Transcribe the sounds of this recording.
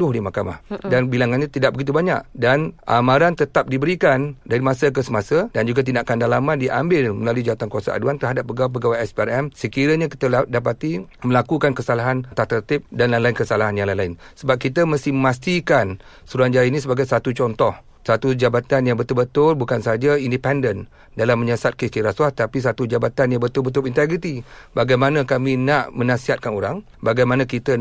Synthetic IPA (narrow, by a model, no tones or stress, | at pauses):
dʊhdimahkama̰hdanbilaŋanɲat̪idaʔ̚bəɡit̪ubaɲa̰ʔdanʔa̰mãɾant̪ət̪ap̚dibəɾikandaɾimasək̬əsəmasədand͡ʒuɡat̪̬indaʔkandalamandiʔa̰mbɪlməlaluid͡ʒaat̪ankuasa̰ʔa̰duant̪əɾɦadap̚ːəɡawapəɡawaɛspiarɛmsəkiɾəɲaki̥t̪əadapat̪iməlakukankəsalaɦant̪at̪ərt̪ɪp̚danlalaɪnkəsalaɦanjaŋlajlaɪnsəbap̚kit̪əmast̪ɪhməmast̪ikan | suɾand͡ʒainisəbaɡajsat̪ut͡ʃɔnt̪ɔh | sat̪ud͡ʒabat̪anjaŋbət̪ʊlbət̪ʊlbukansaad͡ʒaindipɛndən | dalamːəɲasat̪̚kist̪iɾaswat̪apis̬at̪ud͡ʒabat̪anjaŋbət̪ʊlbət̪ʊlint̪ɛɡɾit̪ibaɡajmanãkamĩnaʔmənãsiɦat̪̚kanoɾaŋ | baɡajmanãkit̪ə